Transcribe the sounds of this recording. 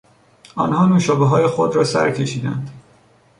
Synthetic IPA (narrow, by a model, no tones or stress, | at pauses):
ɒːnhɒːnuːʃɒːbeɦɒːjexod̪ɾɒːsæ̰ɾcʰe̞ʃiːd̪ænd̪